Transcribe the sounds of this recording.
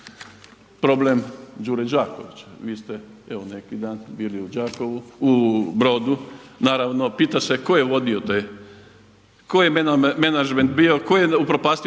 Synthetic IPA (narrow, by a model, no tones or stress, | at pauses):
pɾo̞blemd͡ʒuːɾed͡ʒaːko̞̰ʋit͡ɕeʋiːst̪e | eʋone̞kid̪aːnbiːliud͡ʒaːkoʋuubɾo̞ːd̪unaːɾaʋno̞piːt̪aseko̞jeʋo̞d̪iot̪e | kojenmenad͡ʒment̪bio̞kojeupɾopaːst̪i